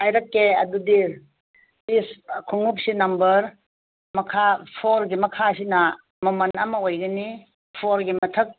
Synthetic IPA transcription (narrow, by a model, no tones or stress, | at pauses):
ajɾɐkːeɐdudi | piskʰuŋup̚sinɐmbɐɾ | mɐkʰapʰoɾɡimɐkʰasinɐ | mɐmɐnɐmɐojɡɐni | pʰoɾɡimɐtʰɐk̚